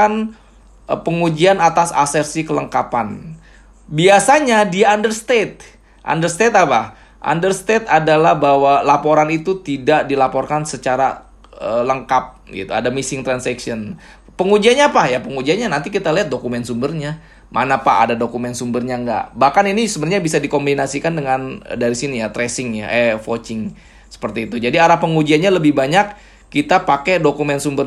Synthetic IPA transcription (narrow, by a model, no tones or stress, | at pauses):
an | pəŋud͡ʒianat̪asa̰sɛrsikələŋkapan | biasaɲadiaːndərst̪et̪̚ | ʔa̰ndərst̪et̪apa | ʔa̰ndərst̪et̪̚adalahbawalapoɾanit̪ut̪idaʔdilapɔrkansət͡ʃaɾa̰ | ələŋkap̚ɡḭt̪ua̰damisɪŋt̪ɾansɛksiən | pəŋud͡ʒianɲapahjapəŋud͡ʒianɲanant̪ik̬it̪aliat̪̚dokumɛnsumbərɲa | mʔanapaa̰dadokumɛnsumbərɲaŋɡa̰ʔbahkaninisumbərɲabisadikombinasikandəŋandaɾisinijat̪ɾesɪŋjaʔɛfot͡ʃɪŋ | sə̥pərt̪iːt̪ud͡ʒadiaɾahpəŋud͡ʒianɲaləbɪhbaɲakː | it̪apakedokumɛnsumbər